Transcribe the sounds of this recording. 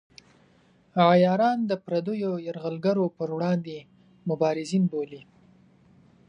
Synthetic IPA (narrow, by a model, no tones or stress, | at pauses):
ɑjɑɾɑnd̪əpɾad̪əjojaɾɣəlɡaɾopəɾwɽɑnd̪e | mʊbɑɾɪzinboli